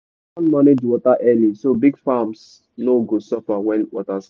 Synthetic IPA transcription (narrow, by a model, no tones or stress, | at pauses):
kãnmaned͡ʒwɔtaʔɛlisobiɡfams | noɡosɔfawɛ̃nwɔtas